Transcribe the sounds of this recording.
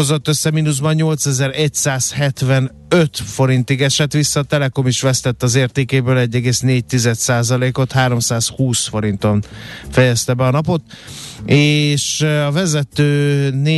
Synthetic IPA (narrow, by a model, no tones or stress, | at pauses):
ozot̪ːøsːɛminuzbɒnɲo̞lt̪sɛzɛɾɛcsaːshɛt̪vɛn | øt̪fo̞ɾint̪iɡɛʃɛt̪ʋisːɒt̪ɛlɛko̞miʃʋɛst̪ɛt̪ːɒzeːrt̪eːkeːbøːlɛɟːɛɡeːsneːɟ̚t̪izɛt̪saːzɒleːko̞t̪haːɾo̞msaːshuːsfo̞ɾint̪o̞ɱfɛjɛst̪ɛbɛɒnɒpo̞t̪ | eːʃɒvɛzɛt̪øːneː